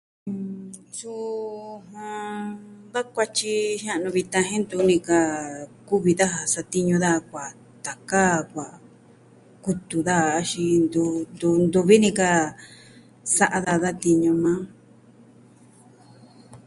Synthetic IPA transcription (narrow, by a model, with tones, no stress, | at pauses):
su˦ɦã˧ | ða˦kʷa˧t͡ʃi˧ʃã˦ʔnũ˧βi˧t̪ã˧ɦẽ˦nd̪u˧˦nĩ˧ka˧ku˦βi˧ða˦ɦa˧sa˧t̪i˦ɲũ˧ða˦˧kʷa˨ | t̪a˨ka˦kʷa˨ | ku˧t̪u˨ða˦˧ʃi˧nd̪u˧nd̪u˧nd̪u˧βi˦nĩ˧ka˧ | sa˧ʔa˧ða˧ða˦t̪i˧ɲũ˧mã˦